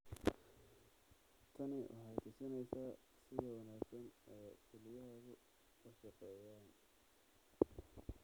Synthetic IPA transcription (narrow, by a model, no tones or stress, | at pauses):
t̪ʰɐnɪʔʊ̰hɛjt̪ʰɪsɐnɛjsa | sɪðɔwɑnaːɡsɐnɛjkʰʊlɪjɐɦɐɣʊ | kɐʃɐqɛːjaːn